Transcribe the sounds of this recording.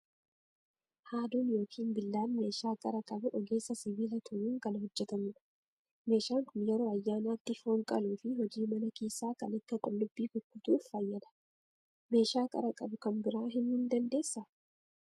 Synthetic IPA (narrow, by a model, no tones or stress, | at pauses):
haːd̪uːnjo̞ːkʰiːnbɪlːaːnme̞ːʃaːkʼɐɾɐkʼɐbʊʔɔɡe̞ːsːɐsɪviːlɐt̪ʰʊjuːŋkɐnhɔd͡ʒːɛt̪ɐmʊːᶑɐ̥ | me̞ːʃaːŋkʊnjɛɾo̞ːɐjːaːnaːt̪ːɪfoːŋkʼɐ̰luːfɪɦɔd͡ʒiːmɐnɐkeːsːaːkɐnɐkːɐkʼʊlːʊbːiːkʊkːʊt̪uːfːɐjːɐd̪ɐ̥ | me̞ːʃaːkʼɐ̰ɾɐkʼɐbʊkɐmbɪɾaːɦɪnhɪnd̪ɐnd̪e̞ːsːɐ